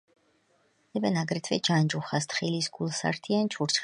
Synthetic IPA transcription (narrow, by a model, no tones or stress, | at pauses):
ɛbɛnaɡɾɛt̪ʰvɛd͡ʒand͡ʒuχast̪ʰχilisɡulˠsa̰ɾt̪ʰiant͡ʃʰuɾt͡ʃʰ